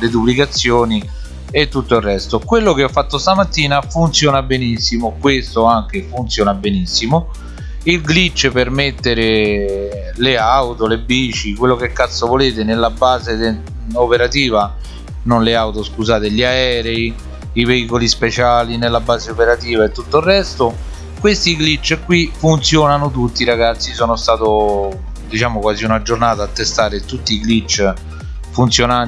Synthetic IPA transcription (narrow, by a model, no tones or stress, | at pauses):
led̪ublikat̪sːjoːni | et̪ːut̪ːoilrːɛst̪okwelːok̟eɔfːat̪ːost̪amat̪ːiːnafunt̪sjɔːnabenisːimokwest̪oaŋk̟efunt̪sjɔːnabenisːimo | ilɡlit͡ʃːepermet̪ːeɾɪ | leawt̪olebiːt͡ʃikwelːokɛkːat̪sːovoleːt̪ɪnelːabaːze | opeɾat̪iːva | nonleawt̪oskuzaːt̪eʎaɛːɾɛi | iveiːkolispet͡ʃaːlinelːabːaːzeopeɾat̪iːvaet̪ːut̪ːoirːɛst̪o | kwest̪iklit͡ʃːkːwifunt̪sjɔːnanot̪ut̪ːiɾaɡat̪sːisɔːnost̪aːt̪o | d̪it͡ʃaːmokwaːziunad͡ʒornaːt̪aːt̪ːest̪aːɾet̪ut̪ːiklit͡ʃː | funt̪sjona